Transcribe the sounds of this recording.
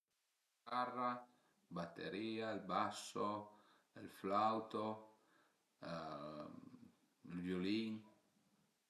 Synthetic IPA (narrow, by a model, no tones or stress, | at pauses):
kara | bat̪ḛɾiːaelbaso | elflawt̪o | lvjoliŋ